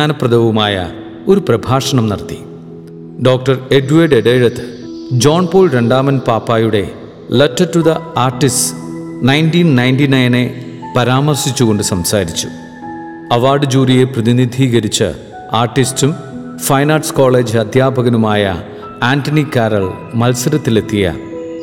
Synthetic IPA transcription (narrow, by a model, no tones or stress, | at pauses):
aːnɐprɐd̪ʱɐʋumaːjɐ̰ | o̞ɾuprɐbʱaːʂɐɳɐmnɐ̰rt̪ːi̥ | ɖo̞ːk̚ʈɐreɖuʋɐɖeɖeɻɐt̪ːɨ | d͡ʑo̞ːnpoːlɾeɳɖaːmɐnpaːpːaːjuɽe̞ | lɐtːɐtːud̪ɐaːrʈis | nɐjntiːnnɐjnʈinɐjne̞ | pɐɾaːmɐrsit͡ɕːuɣo̞ɳɖɨsɐmsaːɾit͡ɕːu̥ | ɐʋaːrɖɨd͡ʑuːrije̞prɐðinid̪ʱiːɣɐɾit͡ɕːɨ̰ | aːrʈːistum | fɐjnaːʈsko̞ːɭeːd͡ʑɨɐd̪ʱjaːbʱɐɣɐnumaːjɐ̰ | aːntɐnikaːɾɐl | mɐlsɐɾɐt̪ːile̞t̪ːijɐ̰